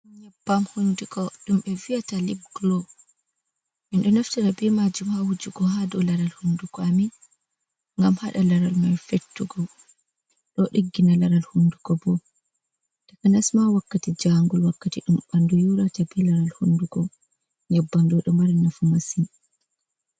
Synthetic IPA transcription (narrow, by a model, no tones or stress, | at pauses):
ɲɛbːamhundukɔɗumɓɛvijatalib̚ɡlɔ | mɛnɗɔnaftaɾabimad͡ʒumhahud͡ʒuɡɔhadɔlaɾalhundukɔamin | ŋɡamhaɗalaɾalmajfetːuɡɔ | ɗɔɗiɡːinalaɾalhundukɔbɔ | takanasmawakːatid͡ʒaŋɡulwakːatiɗumɓandujuɾatabilaɾalhundukɔ | ɲɛbːandɔɗumaɾanafumasin